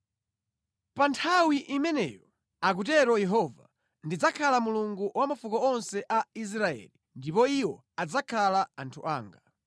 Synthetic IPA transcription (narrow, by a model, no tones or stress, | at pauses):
pantʰawiʔimɛnɛ̰jɔ | ak̬ut̬ɛɾɔjɛɦɔva | ndid͡zakʰalamuluŋɡuwamafukɔɔnsɛʔais̬ɾaɛ̰ːli | ndipɔiwɔ | ad͡zakʰalaantʰṵʔa̰ːŋɡa